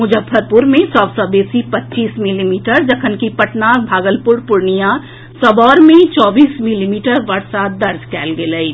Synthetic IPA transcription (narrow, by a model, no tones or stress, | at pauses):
mʊd͡ʒəbʰːəɾpʊɾmẽsɔːbsɔːbeːsipɐtːt͡ʃiːsmɪlimiːʈəɾd͡ʒɐkʰənkipɐʈnaːbʱaːɡəlpʊɾpʊɾnijã | sɐbɔːɾmẽt͡ʃɔːbiːsmɪlimiːʈəɾʋɐɾsad̪ɐɾd͡ʒkɛːlɡeləi